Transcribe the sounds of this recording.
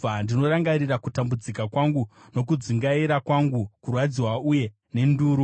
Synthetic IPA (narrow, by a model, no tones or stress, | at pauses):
andino̞ɾaŋɡaɾirakutambud͡zikakwaŋɡu | no̞k̬ud͡ziŋɡaiɾakwaŋɡukurwad͡ziwauje̞ | ne̞nduːɾu